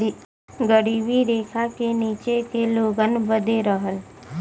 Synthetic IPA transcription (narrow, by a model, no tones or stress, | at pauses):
ɡəɽiʋiɾekʰakenit͡ʃekeloɡənʋəd̪ʱeɾəɦəl